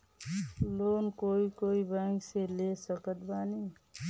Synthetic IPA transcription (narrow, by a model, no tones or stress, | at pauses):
loːnkoikoibaŋɡselesəkət̪̚bani